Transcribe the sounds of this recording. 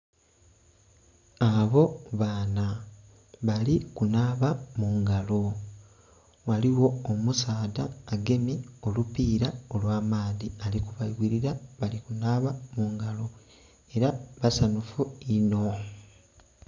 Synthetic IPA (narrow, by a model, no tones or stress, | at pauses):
aβo̞βaːna | βalikunaːβamuːŋɡalo | waliwo̞ːmusaːdaːɡe̞mio̞lupiːɾao̞lwaːmaːðialikuβaiwiɾiɾaβalikunaːβamuːŋɡalo | e̞ɾaβasanufuino̞